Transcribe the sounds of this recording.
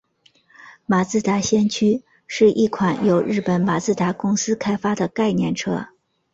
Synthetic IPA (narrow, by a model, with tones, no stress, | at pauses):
ma˨˩t͡sɹ̩˥˩t̪a˧˥ɕjɛ˥nt͡ɕʰy˥ | ʂɻ̩˥˧ʔi˥˩kʰwa˧˥njo˧˥ʊɻɻ̩˥˩pə˧˥nma˨˩t͡sɹ̩˥˩t̪a˧˥kʊ˥ŋsɹ̩˥kʰa˥ɪfa˥d̪ə˨ka˥˧ɪnjɛ˥˩nʈ͡ʂʰɤ̰˥